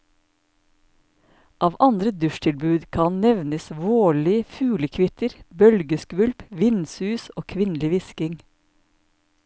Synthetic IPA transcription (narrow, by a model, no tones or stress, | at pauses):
ʔɑːʋʔɑnd̪ɾəd̪ʉʃtʰɪlbʉːd̪kʰɑnnɛʋnəsʋoːɭɪəfʉːləkʰʋɪt̪əɾbœlɡəskʋʉlpʋɪnsʉːsoːkʰʋɪnlɪʋɪskɪŋ